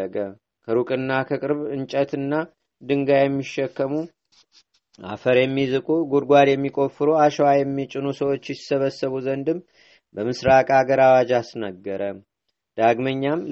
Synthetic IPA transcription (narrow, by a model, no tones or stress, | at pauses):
əɡə | kʰəɾukʼɨnːakʰəkʼɨɾβɨnt͡ʃʼət̪ɨnːa | d̪ɨŋɡajɛmːiʃːɛkːəmu | a̰fəɾjɛmːizɨkʼuɡuɾɡʷad̪jɛmːikʼo̞fɨɾoaʃwajɛmːit͡ʃʼːɪnusəwo̞t͡ʃːjɪsəβəsːəβuzənd̪ɨmː | bəmɨsɾakʼaɡəɾawad͡ʒasnəɡːəɾə | d̪̥aɡməɲːam